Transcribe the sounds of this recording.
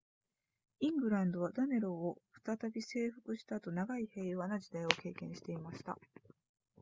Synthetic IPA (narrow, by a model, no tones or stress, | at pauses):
ĩŋɡɯ̟ɾãnd̪o̞βad̪ane̞ɾo̞ːɸɯ̟̥t̪at̪abʲise̞ːɸɯ̟̥kɯ̟ɕi̥t̪at̪o̞naɡaihe̞ːjβanad͡ʑid̪aio̞ke̞ːkẽ̞ɰ̃ɕi̥t̪e̞imaɕi̥t̪a̰